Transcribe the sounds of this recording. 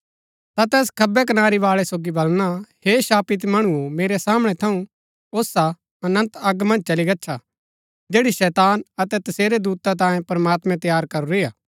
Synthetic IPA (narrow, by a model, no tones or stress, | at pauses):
t̪at̪ɛːs̬kʰɐbɛk̬ɐnaːɾiʋaːɭɛsoːɡibɐlñaheʃaːpɪt̪mɐɽ̃uomeːɾɛsaːmɽ̃ɛt̪ʰɐũ | oːsa | ɐnə̃nt̪ɐɡmɐ̃nd͡ʒt͡ʃɐliɡɐːt͡ʃʰa | d͡ʒeːɽiʃɛːt̪aːnɐt̪ɛt̪ɐseːɾed̪uːt̪at̪ãːjẽpɐɾmaːt̪mɛ̃t̪ɐjaːɾkɐɾuɾɪːjaː